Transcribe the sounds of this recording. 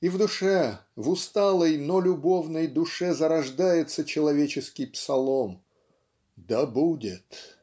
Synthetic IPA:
ivd̪ʊʂɛvʊst̪alˠəjnolʲʊbo̞vnəjd̪ʊʂɛzəɾɐʐd̪ajɪt̪sət͡ɕɪlˠɐvʲet͡ɕɪskʲɪjpsɐlˠom | d̪ɐbudʲɪt̪

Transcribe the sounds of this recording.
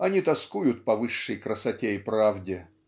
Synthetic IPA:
ɐnʲit̪ɐskujʊt̪̚pɐvɨʂːəjkɾəsɐtʲeɪpɾavdʲɪ

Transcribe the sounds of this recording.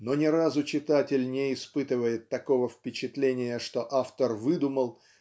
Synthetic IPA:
no̞nʲɪɾazʊt͡ɕɪt̪atʲɪlʲnʲɪɪspɨt̪ɨvəjɪt̪ːɐko̞vəfpʲɪt͡ɕɪt̪lʲenʲɪjəʂt̪o̞ʔaft̪ərvɨd̪ʊməlˠ

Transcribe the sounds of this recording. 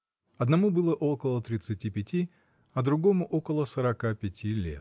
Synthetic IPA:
ɐd̪nɐmubɨlˠəʔo̞kəlˠət̪ɾʲɪt̪sɨtʲipʲɪtʲi | ɐd̪ɾʊɡo̞mʊʔokəlˠəsəɾɐkapʲɪtʲʰilʲḛt̪̚

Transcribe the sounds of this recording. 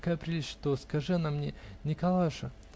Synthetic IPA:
kapɾʲiʂt̪oskɐʐɨnamːnʲenʲɪkɐlˠaʂɐ

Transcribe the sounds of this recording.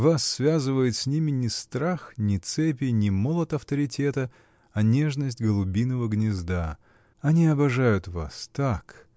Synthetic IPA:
vasːvʲazɨvəjɪt̪sʲnʲimʲɪnʲɪst̪ɾaxnʲɪt̪sɛp̬ʲɪnʲɪmolˠət̪ɐft̪əɾʲɪtʲe̞t̪ə | ɐnʲe̞ʐnəsʲtʲɡəlˠʊbʲinəvəɡnʲɪzd̪a | ɐnʲiɐbɐʐajʊt̪va̰st̪ak

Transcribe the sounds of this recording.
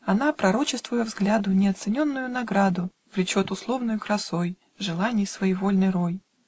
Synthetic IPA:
ɐnapɾɐɾo̞t͡ɕɪst̪vʊjəvzɡlʲad̪ʊnʲɪɐt̪sɨnʲo̞nːʊjʊnɐɡɾad̪ʊ | vlʲɪt͡ɕo̞t̪ʊslˠo̞vnʊjʊkɾɐsoj | ʐɨlˠanʲɪjsvɐivo̞lʲnɨjɾo̞j

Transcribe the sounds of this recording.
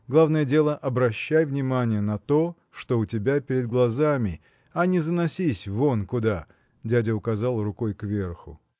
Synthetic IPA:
ɡlˠavnəjədʲe̞lˠəʔɐbɾɐɕːæjvnʲɪmanʲɪjənɐt̪o̞ | ʂt̪o̞ʊtʲɪbʲapʲɪɾʲɪd̪̚ɡlˠɐzamʲɪ | ɐnʲɪzənɐsʲisʲvo̞nkʊd̪a | dʲædʲəʊkɐzɑlˠrʊkojkvʲe̞rxʊ̰

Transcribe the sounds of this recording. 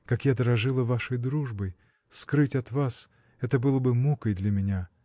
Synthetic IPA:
kakjad̪əɾɐʐɨlˠəvaʂəjd̪ɾuʐbəj | skɾɨtʲɐt̪vas | ɛt̪əbɨlˠəbɨmukəjd̪lʲɐmʲɪnʲa

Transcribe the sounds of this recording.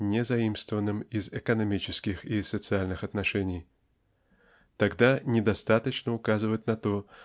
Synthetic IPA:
nʲɪzɐimst̪vəvənːɨmizɛkənɐmʲit͡ɕɪskʲɪxisət̪sɨalʲnɨxɐt̪nɐʂɛnʲɪj | t̪ɐɡd̪anʲɪd̪ɐst̪at̪ət͡ɕnəʊkazɨvət̪nɐt̪o

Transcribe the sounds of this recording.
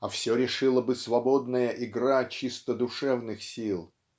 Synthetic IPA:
ɐfsʲoɾʲɪʂɨlˠəbɨsvɐbo̞d̪nəjəʔɪɡɾat͡ɕist̪əd̪ʊʂɛvnɨxsʲilˠ

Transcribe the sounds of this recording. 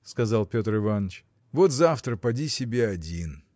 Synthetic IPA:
skɐzalˠpʲo̞t̪rɨvanːət͡ɕ | vot̪zaft̪ɾəpɐdʲisʲɪbʲeɐdʲin

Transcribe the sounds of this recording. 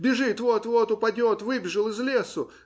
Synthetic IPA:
bʲɪʐɨt̪vot̪vot̪ʊpɐdʲot̪vɨbʲɪʐɨlˠɨzlʲesʊ

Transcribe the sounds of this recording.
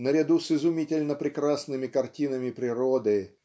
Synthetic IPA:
nəɾʲɪd̪usɨzʊmʲitʲɪlʲnəpɾʲɪkɾasnɨmʲɪkɐrtʲinəmʲɪpɾʲɪɾod̪ɨ

